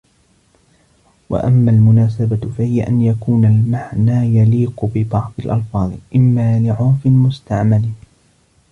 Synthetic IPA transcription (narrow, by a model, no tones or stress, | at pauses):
wa̰ʔamːaːlmʊnaːsabafahɪjaʔanjakuːnalmaʕnaːjaliːqʊbɪbɑʕðˤɪlʔɑlfɑːðˤʔɪmːaːlɪʕʊnfɪmʊst̪aʕmalː